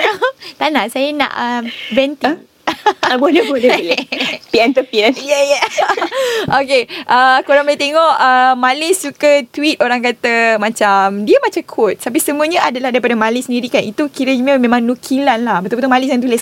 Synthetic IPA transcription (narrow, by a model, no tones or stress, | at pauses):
t̪anasajanã̰ʔəvɛnt̪i | bolɛbolɛlɛpiɛnt̪əpilajaja | okeʔəkoɾaŋbalt̪eŋɔʔəmalɪsːukət̪wit̪̚oɾaŋkat̪amãt͡ʃamdiəmat͡ʃakʰʊt̪̚t̪ap̬isəmuəɲəʔadalahdaɾipadamalɪsəndiɾikanit̪ukiɾəməmẽmãŋnukʰilanlahbət̪ubət̪umalɪsjãŋt̪ulɛs